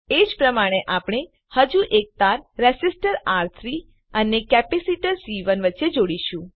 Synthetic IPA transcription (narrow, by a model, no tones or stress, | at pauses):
ed͡ʒpɾəmaɽ̃eʔapɽ̃e | həd͡ʒuʔek̚t̪aɾːɛsisʈəɾaɾt̪ʰɾi | ənekɛpisiʈəɾsiʋənʋətːʃed͡ʒoɽiʃũ